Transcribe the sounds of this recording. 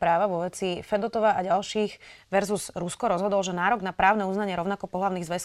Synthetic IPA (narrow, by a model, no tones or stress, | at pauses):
pɾaːʋaʋɔʋɛt͡sifɛd̪ɔt̪ɔʋaʔaɟalʃiːxʋɛɾzuz̥ɾuskɔɾɔzɦɔd̪ɔlʒɛnaːɾɔɡnapɾaːʊnɛuznaɲɪɛɾɔʊnakɔpɔɦlaʊniːɣzʋɛs